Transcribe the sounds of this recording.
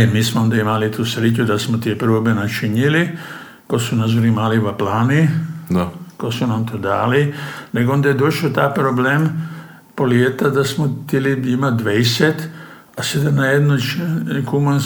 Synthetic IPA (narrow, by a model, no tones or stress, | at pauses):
emiːsmoond̪aimalit̪usɾit͡ʃud̪asmot̪iepɾobenat͡ʃiɲili | kosunazoɾimaliʋaplaːni | kosunamt̪oːd̪a̰ːline̞ɡoond̪ajed̪oʃot̪ajpɾoblem | poljet̪ad̪asmot̪ilid̪imad̪ʋejset̪ | ased̪anajed̪not͡ʃkuman